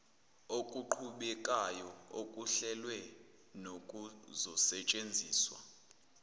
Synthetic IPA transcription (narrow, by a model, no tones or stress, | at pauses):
okʼuǃʰuɓɛkʼajɔokʼuɬɛlwɛ | nokʼuzɔsɛt͡ʃʼend͡zʱiːswa̰